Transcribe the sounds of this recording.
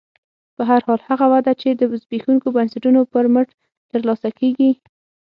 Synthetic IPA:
pəɦaɾhɑlhaɣawad̪at͡ʃed̪əzbexuŋkobansaʈunopəɾməʈ | t̪əɾlɑsakeɡi

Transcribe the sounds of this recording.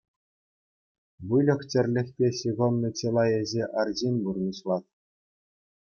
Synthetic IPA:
ʋɯlʲɤ̆χt͡ɕʲɘ̆rʲlʲɘ̆xʲpʲeɕiɣonːɤ̆t͡ɕelˠɑjĕzʲeʔɑrʑinʲburnʲiɕlˠɑt̪̚

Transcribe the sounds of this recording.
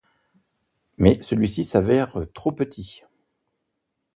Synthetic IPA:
mɛsəlɥisisavɛʁət̪χopət̪ʰi

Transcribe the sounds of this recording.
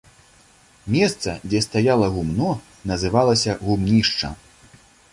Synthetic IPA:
mʲɛst̪sɐ̰d͡zʲɛst̪ajalˠɐɣumnɔ | nɐzɨvalˠɐsʲɐɣumnʲiʂt͡ʂɐ̰

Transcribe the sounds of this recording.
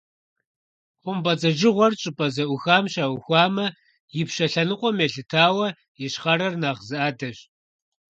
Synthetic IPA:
qʷʊmbɐt͡sɐʒɪʁʷɔrt͡ʃʼɪpʼɐzɐʔʷʊxaːmʃaːwxʷaːmɐ | jɪpʃɐɬɐnɨqʷʼɔmeɬɨtʰaːwɐ | jɛʃχɐɾɐrnaːʁzɨʔaːdɐɕ

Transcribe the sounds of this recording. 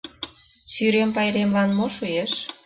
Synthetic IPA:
syɾempɑjɾemlɑnmoʃueʃ

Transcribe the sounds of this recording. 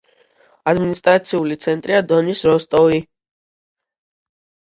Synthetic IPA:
ad̪minist̪ʼɾat̪sʰiulit̪sʰɛnt̪ʼɾiad̪ɔnisɾɔst̪ʼɔvi

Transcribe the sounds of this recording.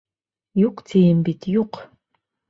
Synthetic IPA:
joqtʰejɛmbitʰjoq

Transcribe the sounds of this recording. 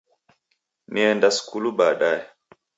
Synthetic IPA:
niɛndasu̥kuluɓaːɗajɛ

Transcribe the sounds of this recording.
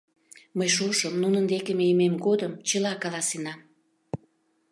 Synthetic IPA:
məjʃoʃəmnunənd̪ekemejəmemɡod̪əmt͡ɕəlɑkɑlɑsenɑm

